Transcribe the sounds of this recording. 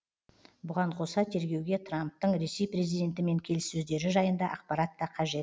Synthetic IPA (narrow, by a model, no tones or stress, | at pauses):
bʊʁɑɴqʰo̞sɑt̪ʰe̞ɾɡʲe̞wɡʲe̞t̪ʰramp̚t̪əɴɾe̞se̞jpre̞zijd̪ʲe̞nt̪ɪme̞ŋkʲʰe̞lɪsːɵzd̪e̞ɾɪʒɑjənd̪ɑʔɑqpɑɾɑt̪ːɑqʰɑʒe̞t̪